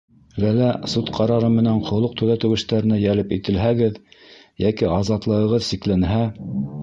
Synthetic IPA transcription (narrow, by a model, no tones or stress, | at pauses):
lælæsut̪qʰɑɾɑɾɤmɘ̆næɴqŏlˠɤq̚t̪ɵ̆ðæt̪ɘ̆wɘ̆ʃt̪æɾɘ̆næjælɘpit̪ɘ̆lɦæɡɘð | jækiɑzɑt̪lˠɤ̆ɤ̆ʁɤðsiklænɦæ